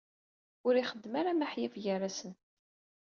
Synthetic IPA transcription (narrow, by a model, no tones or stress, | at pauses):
ʊɾiχəd̪ːəmaɾamaħjæfʝəɾasən